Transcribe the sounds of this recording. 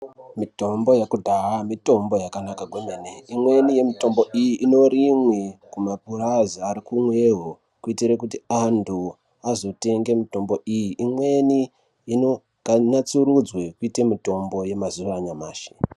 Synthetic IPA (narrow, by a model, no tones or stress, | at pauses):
mito̞mbo̞jakudʱaɦamito̞mbo̞jakanakaɡwemeneimwe̞nije̞mito̞mbo̞ʔijiʔino̞ɾimwekumap̚urazaːɾikumweɦo | kuitiɾek̬utiandu | azo̞te̞ŋɡe̞mito̞mbo̞ijiʔimwe̞ni | ino̞ | ɡ̥ʱaɲat͡surud͡zwe̞kuitemito̞mbo̞je̞mazuʋaɲamaːʃe̥